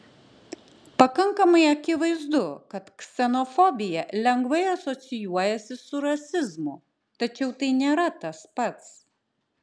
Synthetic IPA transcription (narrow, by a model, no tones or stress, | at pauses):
pɐkɐŋkɐmɐɪɐkʲɪʋɐɪzd̪ʊkɐt̪kʲsʲɛnɔfɔbʲɪjɛlʲɛŋɡʋɐɪɐsɔt̪sʲɪjuɔjɛsʲɪsʊɾɐsʲɪzmʊ | t̪ɐt͡ʃʲɛʊt̪ɐɪnʲeːɾɐt̪ɐspɐt̪s